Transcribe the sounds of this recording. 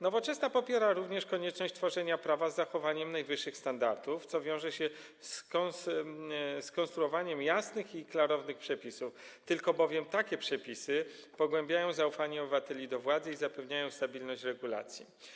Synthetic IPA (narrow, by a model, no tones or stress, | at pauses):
nɔvɔt͡ʂɛsnapɔpʲjɛɾaɾuvɲɛʂkɔɲɛt͡ʂnɔɕt͡ɕʲt̪fɔʐɛɲapɾavazːaxɔvaɲɛmnajvɘʂːɘxst̪and̪aɾt̪uft̪sɔvʲjɔ̃w̃ʐɛɕɛ | skɔs | skɔ̃nst̪ɾuɔvaɲɛmjasnɘxiklaɾɔvnɘxpʂɛpʲisuft̪ɘlkɔbɔvʲjɛmt̪akʲɛpʂɛpʲisɘpɔɡwɛmbʲjajɔ̃w̃zaufaɲɛɔbɘvat̪ɛlʲid̪ɔvwad̪zɘizapɛvɲajɔ̃w̃st̪abʲilnɔɕt͡ɕɾɛɡula̰t̪sʲjḭ